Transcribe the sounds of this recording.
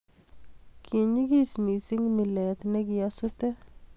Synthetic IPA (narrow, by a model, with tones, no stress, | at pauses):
kʰi˨ɲi˦ki˦smi˨si˦ŋmi˨le˨t̪ne˦ki˨jɔ˦su˦tɛ˦